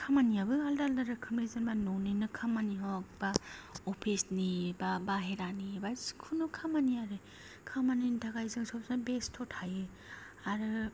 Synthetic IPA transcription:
kʰamaniabɯɦaldaldaɾɯkʰɯmezɯnbanɔnɯnɯkʰamaniɦɔk̚baɔpʰisnibabaɦeɾanibḁkʰunukʰamaniaɾɯ | kʰamanintʰaɡajzɯŋsɔp̚sabestʰɔtʰhajɯ | aɾɯ

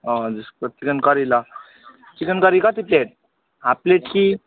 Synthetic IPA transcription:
ɔd͡zispɾət̪ikənkəɾila | t͡ʃikənkʌɾikat̪ipleʈ̚ | ɦapleʈki

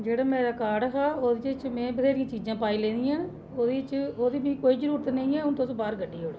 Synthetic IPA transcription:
d͡ʒeːɽaːmɛ̃ːɾaːkaːɖɦaːoːd̪it͡ʃt͡ʃmɛ̃ːbəd̪eːɾijãːt͡ʃiːd͡ʒãːpaːiːlẽːnd̪ijãːn | oːd̪iːt͡ʃoːd̪iːbĩːkoːiːd͡ʒəɾuːɾt̪nəĩːɛːʊnt̪osbaːɾɡəɖːiːɦoːɽe

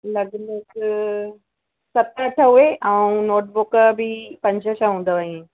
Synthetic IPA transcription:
lɐɡlək | sɐt̪ɐʈʰəɦʊeʔaũnoːʈ̚bʊkəbipɐ̃ɲd͡ʑʱəʃaɦũːn̆d̪aʋəẽ

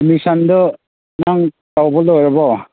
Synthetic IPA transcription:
misand̪ɔ | naŋ | tawbɔlɔjɾɔbɔ

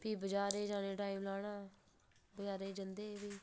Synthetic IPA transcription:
piːbəd͡ʒaːɾeːd͡ʒãːnẽːʈaːiːmlaːnãː | bəd͡ʒaːɾeːd͡ʒənd̪eːbiː

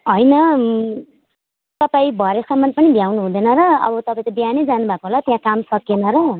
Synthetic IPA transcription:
ɦʌjnʌ | t̪ʌpaĩbʱʌɾesʌmːʌnpʌnibʱjawnuɦũd̪ʌjnʌɾʌʌ̰bʌt̪ʌpaĩt̪ʌbianed͡zanubʱakoɦolat̪jãkamsʌkenʌɾʌ

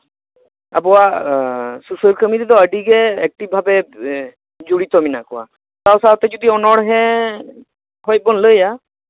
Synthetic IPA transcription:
abɔwa | susəlkʰəmiɾid̪ɔəɖiɡɛɛk̚ʈib̚bʱabɛ | d͡ʒuɽit̪ɔminakɔwa̰ | t̪awsawt̪ɛd͡ʒɔd̪iɔnɔɽɦɛ | ɦɔj̚bɔnləja

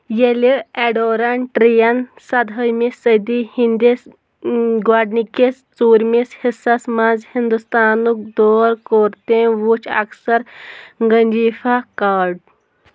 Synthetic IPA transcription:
jeleɛɖoɾaɳʈɾijansɐd̪ʱəjmisəd̪ihind̪is | ɡwaːɖnikes | t͡suːɾmishisasmad͡zhind̪ust̪aːnuk̚d̪oːɾkoːɾt̪ẽʋut͡ʃɐ̰ksɐɾŋɡənd͡ʒiːfakaːɾɖ̚

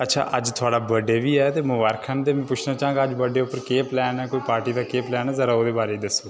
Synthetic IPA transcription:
ətːʃʰa̰ːʔəd͡ʒt̪ʰʊaːɽaːbəɖeːʋiːɛːt̪eːmʊʋaːɾkʰənt̪eːmɛ̃ːpʊt͡ʃʰnãːt͡ʃaːə̃ŋɡaːəd͡ʒbəɖeːʊpːəɾkeːplɛːnɛːkoːiːpaːɾʈiːd̪aːkeːplɛːnɛːzəɾaːoːd̪eːbaːɾeːiːd̪əsːoː

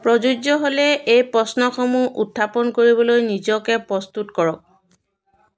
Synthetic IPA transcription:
pɹɔzud͡ʒɔɦolɛejpɹɔsnɔxɔmuʔutʰːapɔnkoɹibɔlojnizɔkɛpɹɔst̪utkɔɹɔk̚

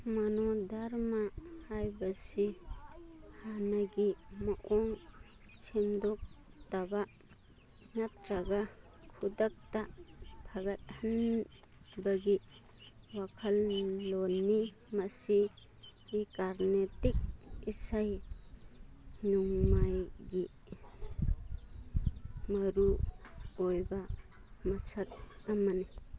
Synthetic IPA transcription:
manɔdaɾmahajbɐsi | hanaɡimaʔɔŋ | t͡ʃʰimdɔk̚taba | ŋat̚ɾaɡa | kʰudak̚tabʰʱaɡat̚han | baɡi | wakʰɐlːonːi | mɐsi | ɡːkaɾnetik̚isaj | nuŋmajɡi | mɐɾu | ojba | mɐsat̚amani

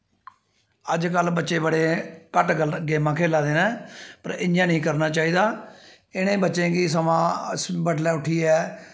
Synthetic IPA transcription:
əd͡ʒkəlbətːʃeːbəɽeːkəʈɡəɡeːmãːkʰeːlaːd̪eːnaːpəɾɪɲjãːnəĩːkəɾnaːt͡ʃaːiːd̪aː | ɪnẽːbətːʃẽːɡiːsəmãːsbəɖlɛːʊʈʰːiːɛː

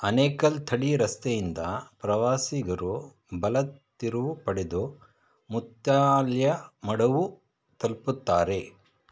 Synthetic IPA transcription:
ɐnɛːkɐlt̪ʰɐɽiɾɐst̪ejind̪ɐpɾɐʋaːsiɡɐɾu | bɐlɐt̪ː | iɾuʋupɐɽed̪u | mut̪jaːljɐmɐɽɐʋu | t̪ɐlput̪ːaːɾe̞

